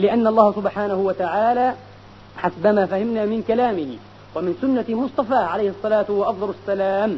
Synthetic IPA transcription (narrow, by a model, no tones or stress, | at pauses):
lɪʔanːaʔlˤːɑːhasʊbħaːnahʊwat̪aʕaːlaː | ħasbamaːfahɪmnaːmɪnkalaːmɪh | wamɪnsʊnːamʊsˤt̪ˤɑfaːʕalajhɑsˤːɑlaːt̪waʔɑfd̪ˤɑlasːalaːm